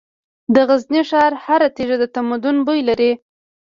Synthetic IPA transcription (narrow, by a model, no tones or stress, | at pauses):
d̪əɣazniʃɑɾhaɾat̪eʒad̪ət̪amad̪ʊnbojlaɾi